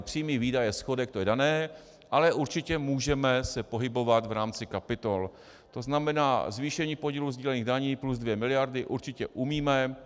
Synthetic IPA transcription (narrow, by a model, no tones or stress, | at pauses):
pr̝̥iːmiːviːdajɛsxo̞dɛk̚t̪ojɛdanɛː | ʔalɛʔuɾt͡ʃɪcɛmuːʒɛmɛsɛpo̞ɦɪbo̞vat̪vɾaːmt͡sɪkapɪt̪o̞l | t̪o̞znamɛna̰ːzviːʃɛɲiːpoɟiːluzɟiːlɛniːɣdaɲiːpluzdvjɛmɪlɪjaɾdɪʔuɾt͡ʃɪcɛʔumiːmɛ